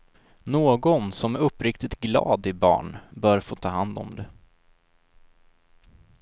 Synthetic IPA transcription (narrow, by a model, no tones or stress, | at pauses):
noːɡɔnsɔmæɾɵpːɾɪkt̪ɪt̪ɡlɑ̰ːd̪ɪbɑ̰ːɳbœːɾfoːt̪ʰɑːɦand̪ɔ̰md̪ɛ